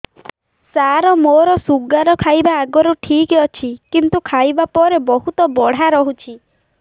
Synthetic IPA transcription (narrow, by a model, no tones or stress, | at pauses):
saɾɔmoɾɔsuɡaɾɔkʰajbaːɡɔɾuʈʰikɔt͡ʃʰikint̪ukʰajbapɔɾebɔɦut̪ɔbɔɽ̤aɾɔɦut͡ʃʰi